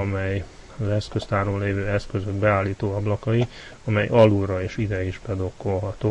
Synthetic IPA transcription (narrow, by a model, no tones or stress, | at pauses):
ɒmɛj | ɒzɛskøst̪aːɾomleːvøːɛskøzøɡbɛaːlːiːt̪oːɒblɒkɒi | ɒmɛjɒluɾɒeːʃid̪ɛiʒbɛd̪o̞kːo̞lɦɒt̪oː